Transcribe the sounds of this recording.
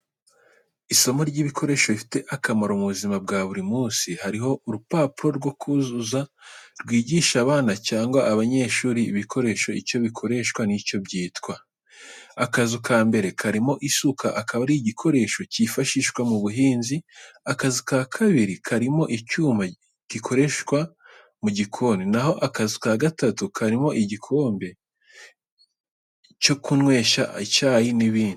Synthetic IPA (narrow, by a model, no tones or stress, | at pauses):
iso̞moɾɟiːβikʰo̞ɾe̞ːʃoifi̥te̞ʔakamaɾomuβuzimab̚ɡaːβuɾimuːsihaɾiɦo̞ʔuɾupaːpuɾo̞ɾɡwo̞kʰuzuzaɾɡwiːɟiːʃaβaːnacaːŋɡwaːβaɲe̞ːʃuːɾiːβikʰo̞ɾe̞ːʃo̞ḭco̞βikʰo̞ɾe̞ʃkwanico̞bɟiːtkwa | akazukʰaːmbe̞ɾe̞kʰaɾimo̞ʔisukʰaʔakaβaɾiɟikʰo̞ɾe̞ʃo̞cifaʃiʃkwamuβuɦiːnziakazikaːkʰaβiɾikʰaɾimo̞ʔicuːma | ɟ̥ikʰo̞ɾe̞ʃkwa | muɟikʰo̞ninaho̞ʔakazukaɡatatukʰaɾimo̞ʔiɟikʰo̞ːmbe̞ | co̞kunwe̞ːʃacaːjiniβiːndi